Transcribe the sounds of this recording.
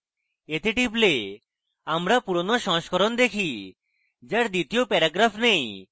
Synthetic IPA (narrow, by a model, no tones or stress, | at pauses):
et̪eʈible | amɾapuɾonoʃɔ̃ɦʃkɔɾond̪ekʰi | d͡ʑaɾd̪it̪iopɛɾaɡɾafʰnej